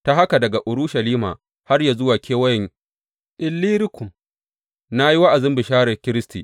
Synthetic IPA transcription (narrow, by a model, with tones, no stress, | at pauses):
ta˨ɦa˦ka˨dɐ˨ɡa˨ʔʊ˨ɾʊ˦ʃa˨liː˦ma̰ː˨ | ha˦rja˨zʊ˦waː˨kʲʰeː˦wɐ˦jɪ˨ŋ | ʔɪ˨lːiː˦ɾɪ˦kʷʊ˨m | na˦ji˦wa˦ʔa˨zɪ˦mbɪ˨ʃaː˦ɽɐ˨kʲɪ˦ɾɪ˦stḭː˨